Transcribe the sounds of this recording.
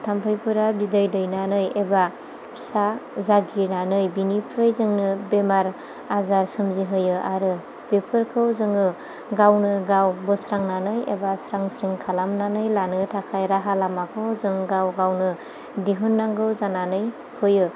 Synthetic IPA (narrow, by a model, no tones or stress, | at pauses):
tʰampʰɯjpʰuɾabidɯjdɯjnanɯjeba | pʰsazaɡinanɯjbinipʰɾɯjzɯŋnɯbemaɾ | azaɾsɯmziɦɯjɯʔaɾɯ | b̥epʰɯɾkʰɯwzɯŋɯ | ɡawnɯɡawbɯsɾaŋnanɯjḛbasɾaŋsɾiŋkʰalamnanɯjlanɯtʰakʰajɾaɦalamakʰɯwzɯŋɡawɡawnɯ | diɦunːaŋɡɯwzananɯj | pʰɯjɯ